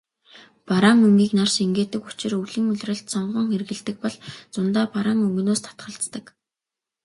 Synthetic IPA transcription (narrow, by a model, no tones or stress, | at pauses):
paɾaŋɵŋɡʲiːknarseŋɡeːt̪ɘ̆kut͡ɕɪ̆ruɮɘ̆ŋɵɮʲrə̆ɬt̪sɔɴɢɞ̆ŋxerɣɘ̆ɮt̪ɘ̆k̚pɔɮt͡sʊnt̪aːpaɾaŋɵŋɡɵ̆noːst̪ʰḁt̪χə̆ɬt͡st̪ə̆k